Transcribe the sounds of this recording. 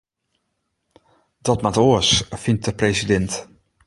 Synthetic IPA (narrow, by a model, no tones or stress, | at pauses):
dɔtmatoəsfint̚dəpresidɛnt